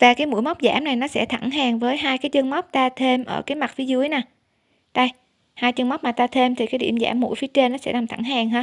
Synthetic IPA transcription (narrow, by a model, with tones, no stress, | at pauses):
vaː˨˩kaː˨˦jmṵ˧˥əjma˦˥wk͡p̚za̰ː˧˩mna˨˩jnɔ˨˦sɛ̰˧˥t̪ʰa˧˩ŋɦaː˨˩ŋvəː˨˦jɦaː˧jkaː˨˦jt͡ɕə˧ŋma˦˥k͡p̚t̪aː˧t̪ʰe˧mʔə̰ː˧˩kaː˨˦jma˨˩t̚fi˨˦zɨ˨˦əjnaː˨˩ | t̪a˧j | haː˧jt͡ɕə˧ŋma˦˥k͡p̚maː˨˩t̪aː˧t̪ʰe˧mt̪ʰi˨˩kaː˨˦ɗḭ˧˩əmza̰ː˧˩mːṵ˧˥˨jfi˨˦t͡ɕe˧nːɔ˨˦sɛ̰˧˥la˨˩ŋ͡mt̪ʰa̰˧˩ŋɦaː˨˩ŋɦaː˧